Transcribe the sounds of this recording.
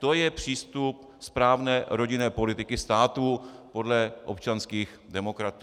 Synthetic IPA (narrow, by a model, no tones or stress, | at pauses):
t̪o̞jɛpr̝̥iːst̪up̚ | spɾaːvnɛːɾo̞ɟɪnɛːpo̞lɪt̪ɪkɪst̪aːt̪uːpo̞dlɛʔopt͡ʃanskiːx | dɛmo̞kɾat̪